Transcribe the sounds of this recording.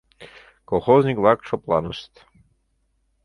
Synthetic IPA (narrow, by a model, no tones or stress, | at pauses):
kɔlˠxɔznʲikvakʈ͡ʂʰɔplˠa̰nəst̪